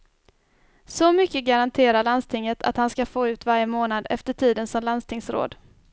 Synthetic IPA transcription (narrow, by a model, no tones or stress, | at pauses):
sɔmʏkːəɡaɾant̪ʰeːɾaɭand̪st̪ʰɪŋːət̪ʰa̰t̪hanskafoːʉ̟ːt̪vaɾjəmoːnad̪ɛ̰ft̪əʈʰiːd̪ənsɔmlanst̪ɪŋsɾo̰ːd̪